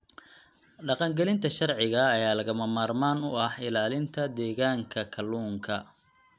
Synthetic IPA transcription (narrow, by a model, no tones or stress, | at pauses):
ɖɑqɑŋɡɛlɪnt̪ʰɐʃɐrʕɪɣɐːjaːlɐɣɐmɐmaːrmaːnʊɐhɪlaːlɪnt̪ʰɐd̪ɛːɣaːŋkʰɐkʰɐlːuːŋkʰɐ